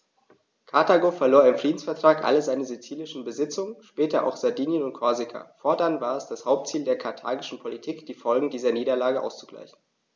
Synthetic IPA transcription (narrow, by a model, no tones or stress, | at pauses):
kʰataɡofɛɐloːɐɪmfʁ̥iːdn̩sfɛɐtʁ̥aːkʔa̰ləzaɪnəzet͡siːlɪʃn̩bəzɪt͡sʊŋəʃpɛːtɐʔa̰ʊxz̥aɐdiːnjənʊnt̚kʰɔɐzɪkʰa̰foːɐdanvaːɐɛsd̥ashaʊp̚tt͡siːldeːɐkʰaɐtʰa̰ːɡɪʃn̩pʰolitʰiːkd̥iːfɔlɡŋ̩diːzɐniːɾɐlaːɡəʔa̰ʊst͡suɡ̥la̰ɪçn̩